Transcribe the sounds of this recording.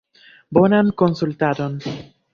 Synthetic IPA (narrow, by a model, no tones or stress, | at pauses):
bonamkonsult̪aɾon